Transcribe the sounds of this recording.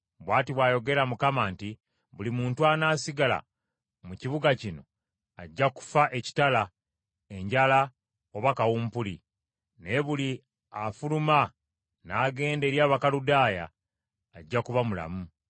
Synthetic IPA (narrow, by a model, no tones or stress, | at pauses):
βwaːtiβwaːjo̞ɡe̞ɾamukamaːnti | βulimuːntuanaːsiɡala̰ | muciβuɡacino̞̰ | aɟːaku̥faʔeci̥tala | e̞ɲɟala | oβakawumpuli | neβuli | afuluma | naːɡe̞ːnde̞ɾjaːβakaludaːja̰ː | ɟːakuβamula̰mu